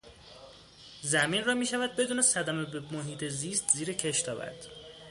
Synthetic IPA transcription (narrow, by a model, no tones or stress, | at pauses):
zæmiːnrɒːmiːʃævæd̪̚be̞d̪uːne̞sæd̪æmebemoɦiːt̪ʰeziːst̪ziːɾecʰe̞ʃt̪ʰɒːvæ̰ɾd̪̥